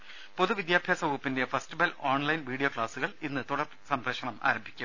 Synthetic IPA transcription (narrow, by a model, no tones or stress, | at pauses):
po̞ðuʋid̪jaːbʱjaːsɐbupːinde̞festibɐloːɳlɐjnʋiːɽijoːkɭaːsuɣɐɭinːɨt̪uɽɐr | sɐmbɾɐʂɐɳɐma̰ːɾɐmbʱikʲːum